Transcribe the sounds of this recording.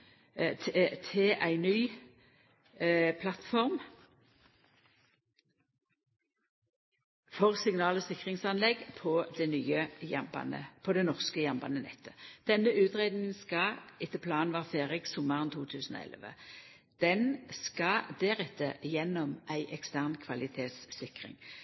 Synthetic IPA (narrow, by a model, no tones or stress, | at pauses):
t̪ʰɪlʔæɪnyː | pʰlɑt̪fɔʁm | fɔʁsɪŋnɑːlɔsɪkʁɪŋsɑnlɛɡpʰɔd̪ɛnyːəjɑ̰mbɑ̰nə̰pʰɔd̪ɛnɔʁskəjɑmbɑ̰nənɛ̰t̪ʰːə̥d̪̥ɛnːəʉːt̪ʁed̪nɪŋənskɑʔɪt̪ːəpʰlɑːnʋɑːʁfeːʁɪksɔmɑʁnt̪ʰuːt̪ʰʉːsən̩ɔ̰ːɛ̰lʋə̰ | d̪̥ɛnskɑd̪ɛʁɛt̪ʰːəjɛnːɔmʔæɪʔɛkst̪æːʁnkʰʋɑlɪt̪ʰeːt̪sːɪkʁɪ̰ŋ